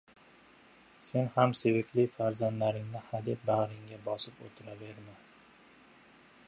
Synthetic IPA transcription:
se̞nhamse̞vɪkʲlɪfaɾzand̪laɾɪŋnɪhad̪ɪp̪̚baʁɾɪŋɡʲabɒsɪpo̰t̪ʰɪɾave̞ɾman

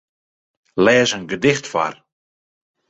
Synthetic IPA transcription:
lɛːzənɡədɪxtfa̰r

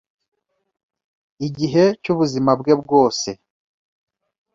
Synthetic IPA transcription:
iɟiɦe̞cuβuzimabɡe̞bɡo̞ːse̞

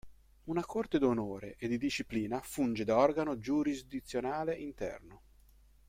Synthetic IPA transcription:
unakʰort̪ed̪onoːɾeʔed̪id̪iʃipliːnafund͡ʒed̪aɔrɡanod͡ʒuɾizd̪it̪sːjonaːleʔint̪ɛ̰rno

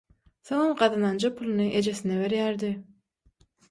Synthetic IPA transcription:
θoŋomɢɑðɑnɑnd͡ʒɑpʰulˠɯnɯʔed͡ʒe̞sineβe̞ɾjæɾd̪ɪ

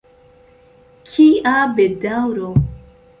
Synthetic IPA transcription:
kʰiabedawɾo

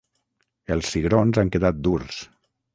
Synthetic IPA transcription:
elˠsːiɣɾonzaŋkeðat̪̚d̪urs

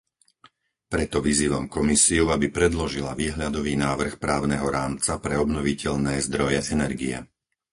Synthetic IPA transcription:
pɾɛt̪ɔʋiziːʋamkɔmisiuabipɾɛd̪lɔʒila̰ʋiːɦʎad̪ɔʋiːnaːʋr̩xpɾaːʊnɛɦɔɾaːmt͡sapɾɛɔbnɔʋicɛʎnɛːzd̪ɾɔjɛʔɛnɛɾɡiɛ̰

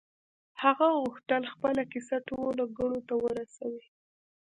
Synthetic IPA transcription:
haɣaɣʊxt̪əlxpəlakisatololaɡaɽot̪awəɾasawi

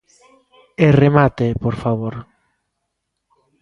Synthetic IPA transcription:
eremat̪epoɾfaβoɾ

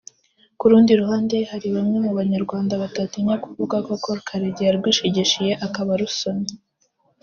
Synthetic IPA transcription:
kuɾuːndiɾuhaːndehaɾiβamŋemuβaɲaɾɡwaːndaβatatinekuvuɡakokoɾkʰaɾeɟijaɾɡwiːʃiɟiʃije̞ʔakaβaɾusone

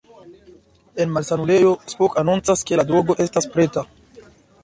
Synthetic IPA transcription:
e̞nmalsanule̞jo̞spokanunt͡saske̞ladɾo̞ɡo̞ʔe̞staspɾe̞ta

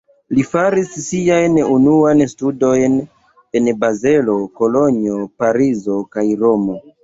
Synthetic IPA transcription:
lifaɾisːiajnunuanstudo̞jn | e̞nbaze̞lo̞ko̞lo̞ɲio̞paɾizo̞kajɾo̞mo̞

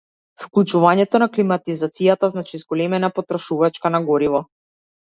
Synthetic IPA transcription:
fklˠut͡ʃuvaɲɛt̪ɔnaklimat̪izat̪sijat̪aznat͡ʃizɡɔlɛmɛnapɔt̪ɾɔʃuvat͡ʃkanaɡɔɾivɔ

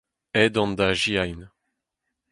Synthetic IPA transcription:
ɛd̪ɑ̃nd̪aʒiajn

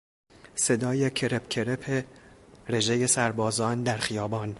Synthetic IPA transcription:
se̞d̪ɒːjecʰe̞ɾepcʰe̞ɾepʰeɾe̞ʒeje̞sæɾbɒːzɒːnd̪æɾxijɒːbɒːn

